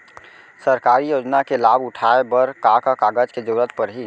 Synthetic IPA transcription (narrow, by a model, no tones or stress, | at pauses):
səɾkaɾijoːd͡ʒnakelaːbʊʈʰaebəɾkakakaːɡəd͡ʒked͡ʒəɾət̪̚pəɾɦi